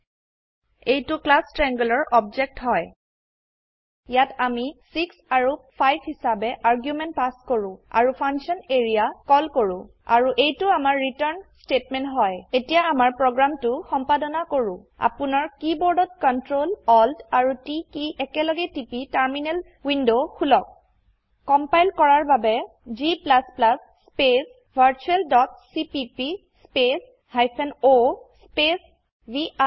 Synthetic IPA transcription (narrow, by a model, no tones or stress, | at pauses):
ejtʊklastɹɛŋɡɔlɔɹʔɔbd͡ʒɛk̚tɦɔj | jatamisiksaɹupʰajbʱhisabɛʔaɹɡjumɛntpaskoɹʊ̃a̰ɹupʰaŋsɔneɹijakɔlkoɹʊ̃ | a̰ɹuʔejtʊamaɹːitɔɹnstetmɛntɦɔjetijaːmaɹpɹɔɡɹamtʊxɔmpadɔnakoɹʊ̃ | a̰pʊnaɹkibɔɹdɔt̚kɔntɹolɔldaɹutikiʔɛkɛlɔɡɛtipitaɹminɛl | windokʰulɔk̚ | kɔmpajlkɔɹaɹbabɛ | ziplasplasːpes | bʱaɹt͡ʃuɛldɔtsipipi | spes | hajpʰɛnospes | bi